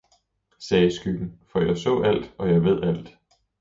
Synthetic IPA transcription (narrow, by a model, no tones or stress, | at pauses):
sɛːsɡ̥yɡ̥n̩fɒ̽jɑ̈ɪsɔ̰̽ːæl̰d̥ɒ̽jɑ̈ɪʋe̝ð̞̰ˠæl̰d̥